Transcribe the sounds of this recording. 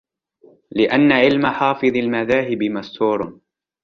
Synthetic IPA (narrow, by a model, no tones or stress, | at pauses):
lɪʔanːaʕɪlmaħɑːfɨðˤalmaðaːɦɪbɪmast̪uːɾˤ